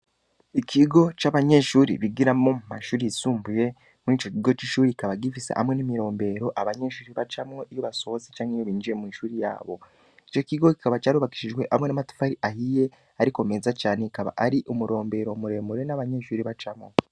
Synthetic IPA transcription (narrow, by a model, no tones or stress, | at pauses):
ikʰiɡo̞t͡ʃaβaɲe̞ʃuːɾḭβiɡiɾamo̞mumaʃuːɾijisuːmbuje̞ | muŋiːt͡ʃo̞ciɡo̞t͡ʃiʃuːɾiikaβaɡifisḛʔa̰mŋe̞nimiɾo̞ːmbe̞ɾo̞ʔaβaɲe̞ʃuːɾiβat͡ʃamŋoʔijoβaso̞zit͡ʃaːŋejoβiːnd͡ʒiɾe̞mwiːʃuːɾija̰ːβo̞ | it͡ʃo̞kiɡoki̥kaβat͡ʃaːɾuβaki̥ʃiʒɡwe̞ʔamŋe̞namatu̥faɾiʔahije̞ | aɾikome̞ːzat͡ʃaːneikaβa̰ʔaɾiʔumuɾo̞ːmbe̞ːɾo̞muɾe̞ːmuɾe̞naβaɲe̞ʃuːɾiβat͡ʃamo̞̰